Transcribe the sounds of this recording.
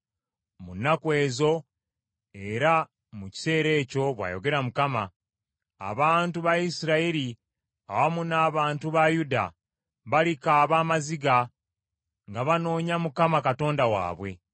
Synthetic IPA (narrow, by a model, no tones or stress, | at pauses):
munːakwe̞ːzo̞ | e̞ɾa | muci̥se̞ːɾe̞ːco̞βwa̰ːjo̞̰ɡe̞ɾamukama̰ː | βaːntuβajisiɾaiɾi | a̰βamunaːβaːntuβajuda̰ | βalikaːβaːmaziɡa | ŋɡaβano̞ːɲamukamakato̞ːndawa̰ːβwe̞̰